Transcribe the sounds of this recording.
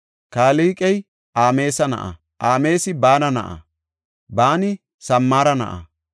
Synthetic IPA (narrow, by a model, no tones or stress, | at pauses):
kaːliːkʼɛj | ʔaːme̞ːsɐnɐ̰ʔɐ̰ | ʔaːme̞ːsɪbaːnɐnɐ̰ʔɐ̰ | baːnɪ | sɐmːaːɾɐnɐ̰ʔɐ̰